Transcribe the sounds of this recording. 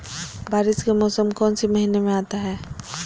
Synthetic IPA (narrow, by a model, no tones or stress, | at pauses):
bʱaːɾɪskemɔːsəmkɔːnsimɐɦiːnemẽaːt̪aɦɛː